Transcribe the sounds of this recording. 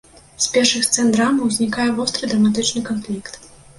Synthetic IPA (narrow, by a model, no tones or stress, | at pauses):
sʲpʲɛrʂɨxst̪sɛnd̪ɾamɐwzʲnʲikajɛvɔst̪ɾɨd̪ɾɐmat̪̬ɨt͡ʂnɨkanfʲlʲikt̪